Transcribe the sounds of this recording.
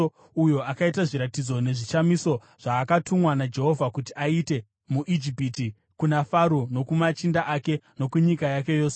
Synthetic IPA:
ujo̞akaitaʐiɾatid͡zo̞ne̞ʐit͡ʃamiso̞ | ʐ̥aːkatumwanad͡ʒe̞ɦo̞vʱakutiʔaite̞ | muʔid͡ʒipiti | kunafaɾuno̞kumat͡ʃindaʔake̞no̞kuɲikajake̞jo̞ːse

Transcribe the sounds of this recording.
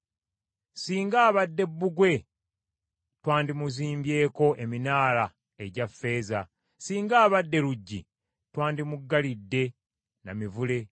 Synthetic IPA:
siːŋɡaːβadːe̞bːuɡwe̞ | twaːndimuziːmbje̞ːko̞ʔe̞minaːla | e̞ɟafːe̞ːza | siːŋɡaːβadːe̞ɾuɟːḭ | twaːndimuɡːalidːe̞ | namivule̞

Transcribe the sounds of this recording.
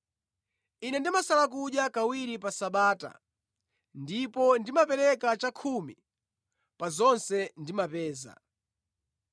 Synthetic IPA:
inɛndimasalak̬uɗjakawiɾipasaɓaːta̰ | ndipɔndimapɛɾɛkat͡ʃakʰumi | pazɔnsɛndimapɛːza̰

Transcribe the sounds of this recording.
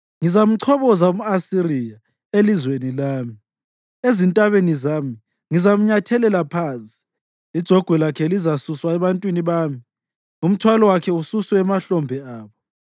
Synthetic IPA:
ŋizam̩ǀʰɔβɔzaumuasirija | elizwenilaːmi | ezintʼaβenizaːmi | ŋizam̩ɲatʰɛlɛlapʰaːnsʼi̥ | id̥ʒ̥ʱɔɡ̥ʱwɛlakʰɛlizasuswaɛβantʼwiniβaːmi | ŋum̩tʰwalɔwakʰɛususwɛːmaɬɔmbʱɛaːβɔ

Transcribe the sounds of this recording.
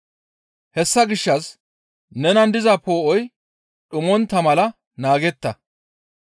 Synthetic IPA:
hɛsːɐɡɪʃːɐs | nɛnɐnd̪ɪzɐpoːʔɔj | ɗʊmɔnt̪ːɐmɐlɐ | naːɡɛt̪ːɐ

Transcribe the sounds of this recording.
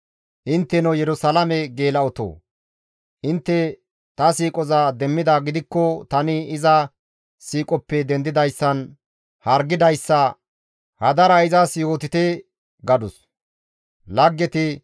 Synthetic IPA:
ʔɪnt̪ːɛnɔjɛɾʊsɐlɐmɛɡe̞ːlɐɔt̪o̰ː | ʔɪnt̪ːɛ | t̪ɐsiːkʼɔzad̪ɛmːɪd̪aɡɪd̪ɪkːɔt̪ɐnɪɪzɐ | siːkʼɔpːɛd̪ɛnd̪ɪd̪ɐjsːɐn | hɐɾɡɪd̪ɐjsːɐ | hɐd̪ɐɾɐɪzɐsiːoːt̪ɪt̪ɛ | ɡɐd̪ʊs | lɐɡːɛt̪ɪ

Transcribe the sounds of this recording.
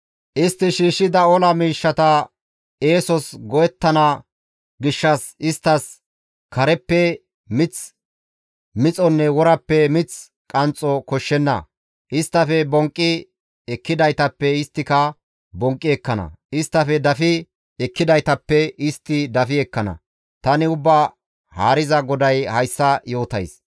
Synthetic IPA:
ʔɪst̪ːɪʃiːʃːɪd̪ɐɔlɐmiːʃːɐt̪ɐ | eːsɔsɡɔjɛt̪ːɐnɐ | ɡɪʃːɐsɪst̪ːɐs | kɐɾɛpːɛ | mɪt͡s | mɪt͡sʼɔnːɛwɔɾɐpːɛmɪt͡s | kʼɐnt͡sʼːɔkɔʃːɛnːɐ̰ | ʔɪst̪ːɐfɛbɔŋkʼːɪ | ɛkːɪd̪ɐjt̪ɐpːɛɪst̪ːɪkɐ | bɔŋkʼːɪɛkːɐnɐ̰ɪst̪ːɐfɛd̪ɐfɪ | ɛkːɪd̪ɐjt̪ɐpːɛɪst̪ːɪd̪ɐfɪɛkːɐnɐ̰ | t̪ɐnɪʊbːa | haːɾɪzɐɡɔd̪ɐjhɐjsːɐjo̞ːt̪ɐjs

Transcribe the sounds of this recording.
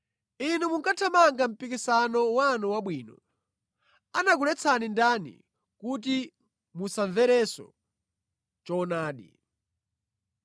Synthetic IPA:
inumuŋkatʰamaŋɡam̩pikisanɔwanɔwaɓwiːnɔ | anak̬ulɛt͡sʰanindanḭ | kut̬i | musaɱvɛɾɛsɔ̰ | t͡ʃɔnaːɗḭ

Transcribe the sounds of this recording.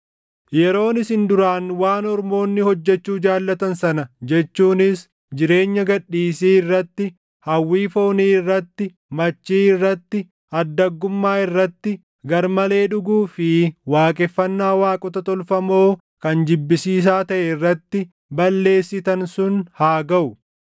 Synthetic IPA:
jɛɾo̞ːnɪsɪnd̪ʊɾaːnwaːnɔɾmo̞ːnːɪhɔd͡ʒːɛt͡ʃːuːd͡ʒaːlːɐt̪ɐnsɐnɐd͡ʒɛt͡ʃːuːnɪs | d͡ʒɪɾe̞ːɲːɐɡɐᶑːiːsiːɪrːɐt̪ːɪ | hɐwːiːfo̞ːniːɪrːɐt̪ːɪ | mɐt͡ʃːiːɪrːɐt̪ːɪ | ɐd̪ːɐɡːʊmːaːɪrːɐt̪ːɪ | ɡɐɾmɐle̞ːᶑʊɡuːfɪwaːkʼɛfːɐnːaːwaːkʼɔt̪ɐt̪ɔlfɐmo̞ː | kɐnd͡ʒɪbːɪsiːs̬aːt̪ɐʔɛɪrːɐt̪ːɪ | bɐlːe̞ːsːɪt̪ɐnsʊnhaːɡɐʔʊ

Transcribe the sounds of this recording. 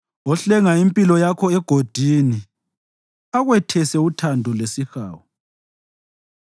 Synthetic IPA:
ɔɬɛŋaimpʼilɔjakʰɔɛɡ̥ʱod̥ʱini | aɣwɛtʰɛsɛutʰandʱulesixa̰ːwɔ

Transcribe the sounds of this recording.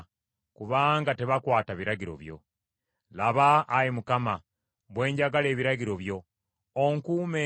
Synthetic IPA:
kuβaːŋɡate̞βakwaːtaβiɾaɟiɾo̞̰βjo̞̰ | laβaːjemukama | βwe̞ːɲɟaɡale̞ːβiɾaɟiɾo̞βjo̞ | oŋkuːme

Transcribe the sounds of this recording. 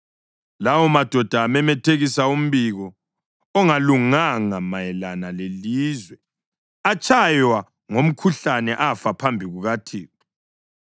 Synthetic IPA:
lawɔmad̥ʱɔd̥ʱaːmɛmɛtʰeɣisaum̩βiɣɔ | ɔŋaluŋaŋamajɛlanaleliːzwɛ | at͡ʃʰʼajwa | ŋom̩kʰuɬanɛʔafapʰambʱiɣuɣatʰḭːɣɔ

